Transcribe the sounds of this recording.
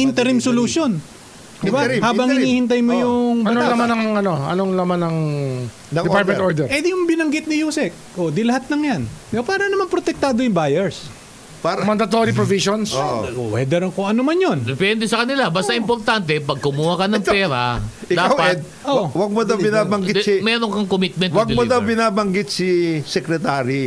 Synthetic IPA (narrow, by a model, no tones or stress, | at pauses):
ʔɪnt̪ɛɾimsoluʃon | d̪ɪbahaːbɐŋhɪiːhɪnt̪̬ajmojʊŋɐolɐmanɐŋŋɐno̞ʔɐ̰noŋlɐmanɐŋ | ɐɪpaɹt̪mɛ̃oɹd̪ɛɾɛd̪ɪjʊŋbɪnɐŋɡɪt̪̚nɪjuːsɛk̚ʔod̪ilɐhat̪̚lɐŋjanbapaːɾɐnɐmanpɾot̪ɛk̚t̪aːd̪ojʊŋbajɛɹs | paːɾɐmɐnd̪ɐt̪oɾipɾovisonsoʔwɛ̰d̪ɛɾkʊŋʔɐnomanjond̪ɛpɛnd̪ɛsɐkɐnɪlabɐst̪ɐʔɪmpoɾt̪ant̪ɛpɐɡ̚kʊmuːhɐkɐnɐŋpɛːɾa̰ | ʔɪd̪kaawɐɛd̪̚ | owɐɡ̚mod̪ɐwbɪnaːbɐŋɡɪt̪smɛːɾoŋkɐŋkomit̪̚mɛ̃nwɐɡ̪mod̪ɐwbɪnaːbɐŋɡɪt̪̚sisɛkɾɛt̪aːɾi